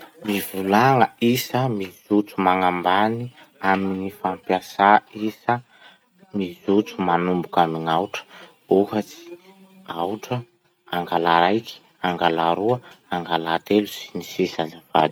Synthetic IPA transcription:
mivulaŋəisəmizut͡sumaŋambani | aminifampjasaisə | mizut͡sumanumbukamiŋawʈ͡ʂə̥ | uhat͡si̥ | awʈ͡ʂə | aŋɡalaɾajkʰi̥ | aŋɡalaɾuəaŋɡalat̪elusi̥nisisazava̰d̪i̥

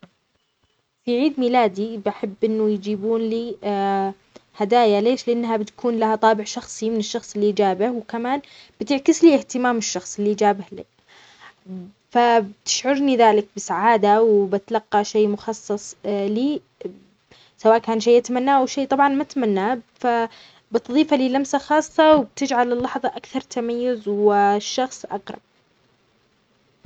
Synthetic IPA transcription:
fiʕiːd̪milaːd̪ibaħɪbːʔɪnːʊjd͡ʒiːbuːnliː | had̪aːjaleːʃlɪʔanːɦabɪt̪kʰuːnlahat̪ˤɑːbɪʕʃɑxsˤimɪnɪʃːɑxsˤɪlːiʔd͡ʒaːbɪhwkamaːnb̥ɪt̪ɪʕkɪsliːɪht̪ɪmaːmɪʃːɑxsˤɪlːiʔd͡ʒaːbɪhli | fabɪt̪ɪ̥ʃʕʊɾniðaːlɪk̚bɪsaʕaːd̪awbɪt̪lɑqːɑʃeːmʊxɑsˤːɑsˤliː | sawaːʔkaːnʃeːʔat̪amanːaːʔawʃeːt̪ˤɑbʕɑnmat̪amanːaːfa | bɪt̪ðˤiːfaliːlamsaxɑːsˤːɑwɪb̚t̪ɪd͡ʒʕalɪlːɑħðˤɑʔakθɑɾˤt̪amajːʊzwɪʃːɑxsˤʔɑ̰qɾˤɑ̰b̚

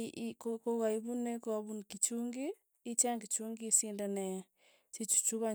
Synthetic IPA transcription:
kokoɣaiβunekaβunkit͡ʃuŋɡiː | t͡ʃaŋɡit͡ʃuŋɡisindanɛ | sit͡ʃu̥t͡ʃuɣa

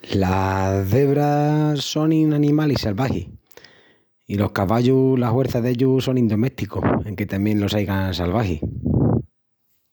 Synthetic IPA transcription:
laðe̞βɾaso̞ninanĩmalisalβahḭ | ilo̞hkaβaʎulahwe̞ɾθaðe̞ʎuso̞nĩnd̪o̞meht̪iko̰he̞ŋke̞t̪amjẽ̞nlo̞sajɣansalβahḭ

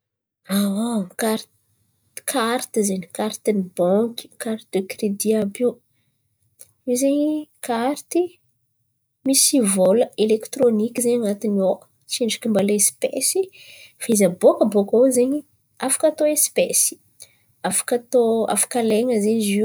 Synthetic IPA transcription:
awakaɾ | kʰaɾt̪izeɲikaɾt̪inibɔŋkʲi̥kaɾt̪d̪ekɾed̪iabi | izeɲikaɾt̪i | misivoləelekt̪ɾonikʲizeɲanat̪inio | t͡seɳɖ͡ʐi̥kʲimbaleespḛsifaizəbokəbokauzeɲi | afḁkat̪oespesi̥ | afḁkat̪oa̰fḁkaleŋəzeɲizi

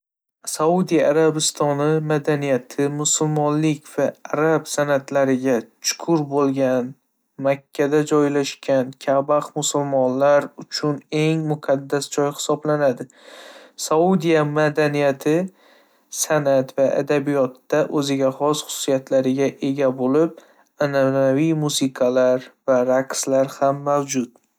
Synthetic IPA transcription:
saud̪ijaɾabɪst̪ʰɒnɪmad̪anijat̪ʰɪmʊsʊlmɒnlɪkʲv̥aaɾabsanat̪laɾɪɡʲat͡ʃʰʊ̥kʰʊɾbolˠɡʲan | makʲʰːad̪ad͡ʒɒjlaʃkʲʰankʲʰabaqmʊsʊlmɒnlaɾʊt͡ʃʰʊne̞ŋmʊqʰɑd̪ːasd͡ʒɒjhɪ̥sɒblanad̪ɪ | saud̪ijamad̪anijat̪ʰɪ | sanat̪vaʔa̰d̪abijɒt̪ːaʔɵzɪɡʲahɒz̥χʊ̥ʊsijat̪laɾɪɡʲaʔe̞ɡʲabolɪp̚ | ananavijmusɨqʰɑlaɾvaɾaqslaɾhamːawd͡ʒʊt̪

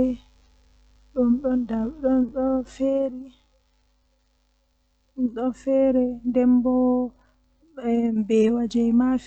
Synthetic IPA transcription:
ɛ | ɗumɗɔndaɗɔnɗɔfeɾi | ɗumɗɔfɛːɾɛndɛmbɔ | ɛmbɛwad͡ʒɛjmaf

